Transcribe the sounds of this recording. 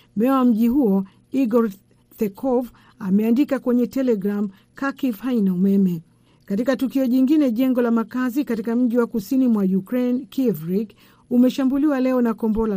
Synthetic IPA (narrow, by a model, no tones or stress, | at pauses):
mɛawam̩ʄiɦuɔ | iɡɔɾ | θɛkʰɔv | amɛandikakwɛɲɛtɛlɛɡɾam | kakivhainaumɛmɛ | katikatukiɔʄiŋɡinɛʄɛŋɡɔlamakazikatikam̩ʄiwakusinimwajukɾɛnkivɾiɡ | umɛʃambuliwalɛɔnakɔmbɔla